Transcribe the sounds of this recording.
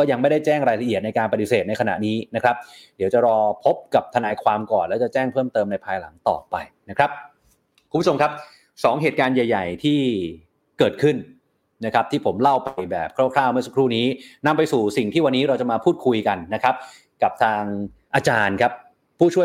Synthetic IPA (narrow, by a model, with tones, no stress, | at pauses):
kɔː˥˩ja˧ŋma˥˩jda˥˩jt͡ɕɛː˥˩ŋɾaː˧jla˧ʔi˨˩ət̪̚na˧jkaː˧npɾa˧ti˧˦seː˨˩t̪̚na˧jkʰa˧na̰˨˩ʔniː˦˥na˦˥kʰɾa˦˥p̚di˩˦wt͡ɕa˨˩ɾɔː˧pʰo˦˥p̚ka˨˩p̚t̪ʰa˧naː˧jkʰwaː˧mkɔː˨˩nlɛː˦˥t͡ɕa˨˩t͡ɕɛː˥˩ŋpʰɤː˥˩mt̪ɤː˧mna˧jpʰaː˧jla̰˩˦ŋt̪ɔ̰ː˨˩pa˧jna˦˥kʰɾa˦˥p̚ | kʰu˧mbt͡ɕo˧mkʰa˦˥p̚ | sɔː˩˦ŋɦeː˨˩t̪̚kaː˧nja˨˩jːa˨˩jt̪ʰiː˥˩ | kɤː˨˩t̪̚kʰɯ˥˩n | na˦˥kʰa˦˥p̚t̪ʰiː˥˩pʰo˩˦mla˥˩wpa˧jbɛː˨˩p̚kʰɾɔː˥˩kʰlaː˥˩wmɯ˥˩sa˦˥kʰɾuː˥˩niː˦˥na˧mpa˧jsuː˨˩si˨˩ŋt̪ʰiː˥˩wa˧nːiː˦˥ɾa˧wt͡ɕa˨˩maː˧pʰuː˥˩t̪̚kʰu˧jka˧nːa˦˥kʰɾa˦˥p̚ | ka˨˩p̚t̪ʰaː˧ŋ | ʔaː˧t͡ɕaː˧nkʰa˦˥p̚ʰː | uː˥˩t͡ɕʰu˥˩